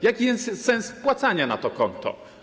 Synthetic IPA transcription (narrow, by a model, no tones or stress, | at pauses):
jakʲijɛsɛnspwat̪saɲanat̪ɔkɔnt̪ʰɔ̰